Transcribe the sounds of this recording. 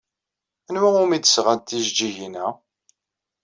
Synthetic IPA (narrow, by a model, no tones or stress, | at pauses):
ænwæʊmid̪əsʁænt̪ːizd͡ʒiʝinæ